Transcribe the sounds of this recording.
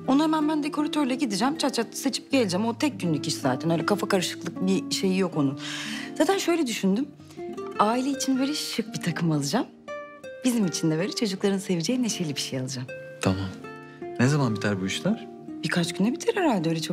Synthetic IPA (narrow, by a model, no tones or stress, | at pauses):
onuhemænbænd̪ekʰo̞ɾat̪ʰøɾlʲɛɟid̪id͡ʒæmt͡ʃʰatt͡ʃʰːat̚t̪ḁset͡ʃʰi̥p̚ɟ̥e̞lʲid͡ʒɛmo̞t̪ʰɛc̚ɟynlʲyciʃizaːt̪ʰænøjlʲɛkʰafakaɾɯʃɯ̥klˠɯk̚biʃe̞jijo̞ko̞nunz̥aːt̪ʰænʃø̞jlʲɛd̪yʃynd̪ym | aːilʲeit͡ʃʰinveɾiʃʃɯk̚bit̪ʰakʰɯmalˠɯd͡ʒam | b̥izimit͡ʃʰind̪ɛveɾit͡ʃʰad͡ʒuklˠaɾɯnse̞vid͡ʒejineʃejlʲibiʃejalˠɯd͡ʒam | t̪ʰama | nezamanbit̪ʰaɾbuyʃlʲˠaɾ̥ | b̥ikʰat͡ʃɟynɛbit̪ʰiɾhɛɾalʲd̪ɛølʲɛt͡ʃʰo